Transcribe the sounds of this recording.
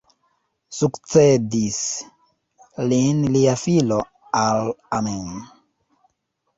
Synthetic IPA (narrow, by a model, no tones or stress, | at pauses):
sukt͡sedis | linliafilo | alamen